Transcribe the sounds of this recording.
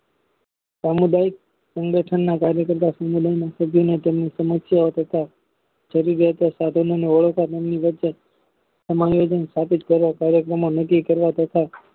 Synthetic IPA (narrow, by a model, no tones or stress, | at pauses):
samud̪aik̚ | səŋɡəʈʰənːakaɾjəkəɾt̪asamud̪ajnãsəbʱjonet̪emnisəməsjaot̪ət̪a | t͡ʃəɾiɾət̪asad̪ʱononeəɭəkʰat̪emniʋəːt͡ʃe | səmajod͡ʒənst̪ʰapit̪kəɾʋakaɾjəkɾəmonəkːikəɾʋat̪ət̪ʰa